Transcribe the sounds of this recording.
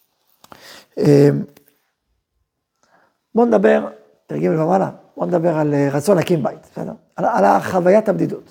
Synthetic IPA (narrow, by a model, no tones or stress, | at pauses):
em | boned̪abe̞ʁ | t̪aʁɡimlemamala̰boned̪abe̞ʁalʁat͡so̞nhakimbajit̪sed̪eʁ | alalaχavajat̪abd̪idut̪